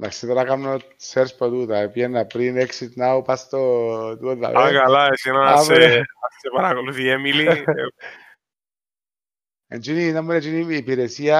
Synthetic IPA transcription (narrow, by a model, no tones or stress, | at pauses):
naksit̪aɾakamno | seɾspat̪ut̪aepjenːapɾineksit̪nawpast̪ot̪ut̪a̰ʔaɡalaesinaaβeat͡ʃepaɾakoluθiemili | ent͡ʃuninamːenet͡ʃuniipiɾesia